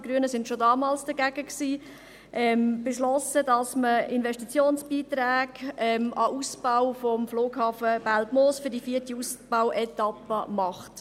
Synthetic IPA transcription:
ɡ̥ɾyənəsɪntʃodɑːmɑːlsd̥əɡæɡ̥əksiː | ʔɛmb̥eʃlɔsədɑsməɪnvɛʃtit͡sjoːnsb̥iːtɾɛːɡɛmɑʔusbawfɔmfloːɡhɑːfəb̥æltmoːsfydifiətiusb̥awʔɛtɑpəmɑχt

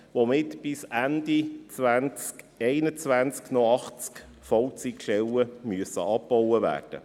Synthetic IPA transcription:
ʋomɪtb̥ɪsænd̥̪it͡sʋænt͡sk | ɛɪnət͡sʋænt͡sknɔɑχt͡sk | fɔwt͡sikʃɛləmyəsə̰ɑpːɔwəvæ̰ːrd̥ə̰

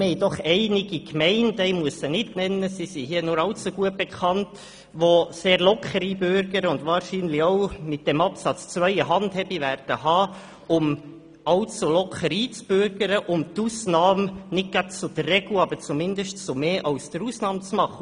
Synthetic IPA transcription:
mɛɪjdɔχɛɪnɪɡikmɛɪndɛɪmuəsənɪtnɛnːəsisihiənʊɾɑlt͡suɡ̥uət̚b̥ɛkχɑnt | ʋoseːɾlɔkʰχəɾibʏɾɡ̥əɾəʊndʋɑːɾʃiːnlioʊmɪt̚d̥ɛmɑpsɑt͡st͡svœʏəɦɑndhɛbiʋæɾd̥əɦɑː | ʊm | ɑlt͡sulɔkχəɾiːt͡sb̥ʏɾɡ̥əɾəʔʊmtusnɑːmnɪt̚ɡ̥ɑt͡sʊd̥̪ərːɛɡluɑbət͡sumɪnd̪əʃtsomeːʔɑʊsd̥əɾusnɑːmt͡smɑχə

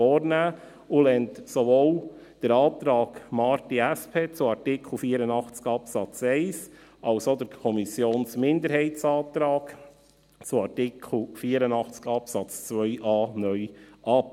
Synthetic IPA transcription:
ɔːɾnæː | ulɛntsovoːl | d̥əɾɑːt̪ɾɑːɡmɑɾtiæspʰeːt͡sʊɑɾtɪkʰl̩ˠfiːəɾənɑχt͡skɑpsɑt͡sɛɪsʔɑlsod̪əɾkʰɔmisjoːnsmɪnd̪əɾhɛɪtt͡sɑːt̪ɾɑːɡ̥ | t͡sʊɑɾtɪkʰl̩fiːəɾənɑχt͡skɑpsɑt͡st͡sʋœʏʔɑːnœʏʔɑp

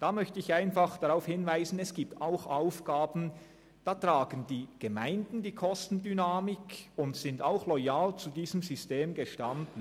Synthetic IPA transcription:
d̥aːmœçtəɪçaɪnfaχd̥aʁaʊfhɪnvaɪzn̩ɛsɡ̥iːp̚taʊxʔaʊfɡ̥aːbn̩ | d̥aːtʁ̥aːɡən̩diːɡ̥əmaɪndn̩diːkʰɔstn̩dynaːmɪkʊntsɪntaʊxlɔjaːlt͡sudiːzəmzysteːmɡəʃtandn̩

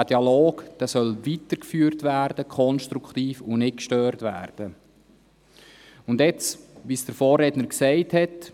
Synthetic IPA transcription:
d̥iɑloːɡd̪̥ɛsœlʋitəɾkfyːɾtʋæːɾd̥əkʰχɔnʃt̪ɾukχt̪iːfʊnɪt̚kʃtøːrtʋæ̰ːrd̥ə | ʊndjɛt͡sʋisd̥əɾfɔːrɛdnəɾksɛɪthɛt

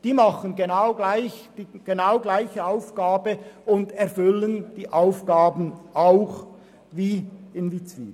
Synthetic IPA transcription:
d̥iːmɑχənɡenaʊɡlaɪçd̥iːɡ̥enaʊɡlaɪçəaʊfɡ̥aːbəʊndɛɾfʏlənd̥iːʔaʊfɡ̥aːbən̩aʊx | viːɪnvit͡svḭː

